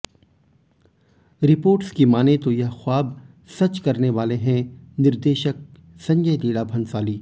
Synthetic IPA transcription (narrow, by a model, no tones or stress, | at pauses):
ɾɪpoːɾʈskimaːnet̪ojɐɦxʊaːb | sɐt͡ʃkɐɾneʋaːleɦɛ̃nɪɾd̪eːʃək̚ | sɐ̃ɲd͡ʒəjliːɽabʱɐ̃nsaːliː